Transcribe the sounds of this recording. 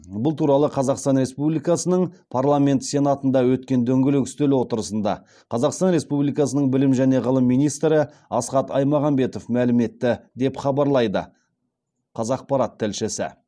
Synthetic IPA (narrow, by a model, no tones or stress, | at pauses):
bʊlˠt̪ʰuɾɑlˠəqʰɑzɑqst̪ɑnɾe̞spublijkɑsənəɴpʰɑɾlˠamʲe̞nt̪sʲe̞nɑt̪ənd̪ɑwɵt̪̚kʲe̞nd̪ɵŋɡʲɪlɪkʲʏ̥st̪elwo̞t̪əɾəsənd̪ɑ̰ | qʰɑzɑqst̪ɑnɾe̞spublˠijkɑsənəɴbɪlɪmʒæne̞ʁəlˠəmːijnijst̪ɾɪ | ɑsqɑt̪ɑ̰jmɑʁɑmbe̞t̪o̞fmælɪme̞t̪ːɪd̪e̞pχɑbɑɾlˠɑjd̪ə̰ | qʰɑzɑq̚pɑɾɑt̪ʰːɪlʃɪsɪ̰